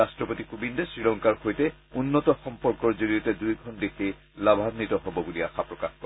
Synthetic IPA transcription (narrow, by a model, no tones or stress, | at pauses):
astɹɔpotikubindɔsɹilɔŋkaɹxojtɛunːɔtɔxɔmpɔɹkɔɹzoɹijɔtɛdujɡʱɔndekʰe | labʱadnitɔɦɔbɔbulia̰xapɹɔkaxkɔ